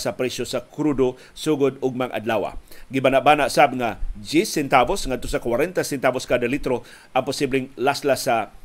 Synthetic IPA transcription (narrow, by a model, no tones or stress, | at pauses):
sapɾɛsjosakɾud̪o | suɡod̪ʊɡ̚maŋʔa̰d̪lawa̰ɡɪbanaʔbanaʔsabŋad͡ʒisɛnt̪abosŋad̪̚t̪osakwaɾɛnt̪asɛnt̪aboskad̪alit̪ɾo | ʔaŋpʊsiblɪŋlaslasa